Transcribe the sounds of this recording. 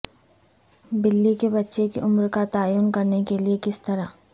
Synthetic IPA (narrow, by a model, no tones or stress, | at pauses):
bɪlːikebɐtːʃekeʔʊmɾkat̪aːjuːnkɐɾnekeliekɪst̪ɐɾa